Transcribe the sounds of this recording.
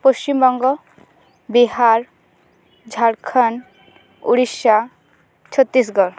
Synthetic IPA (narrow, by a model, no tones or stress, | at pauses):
post͡ɕimbɔŋɡɔ | biɦaɾ | d͡ʒʱaɽkʰan | ṵɽisa | t͡ʃʰɔt̪ːis̬ɡɔɾ